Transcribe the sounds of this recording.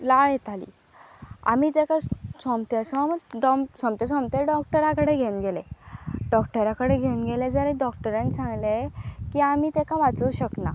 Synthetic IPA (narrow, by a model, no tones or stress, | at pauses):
laɭjɛt̪ʰalḭː | a̰miːt̪ekasɔmt̪esɔmɖɔmsɔmt̪esɔmt̪eɖɔk̚ʈəɾakəɽeɡʱenɡeleɖɔkʈəɾakəɽeɡʱenɡeled͡zəɾẽɖɔkʈəɾãnsãŋɡlekiamiːt̪ɛkaʋat͡suuɕəkna